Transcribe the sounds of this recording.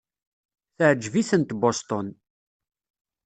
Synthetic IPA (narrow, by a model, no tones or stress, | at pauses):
θəʕəd͡ʒːviθənt̪bɔst̪ɔn